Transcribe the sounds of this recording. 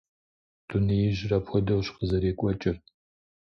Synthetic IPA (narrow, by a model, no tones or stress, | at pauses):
tʰunɨjɪʒrɐpxʷɔdɐwɕqəzɐɾeːkʷʼɔt͡ʃʼɪr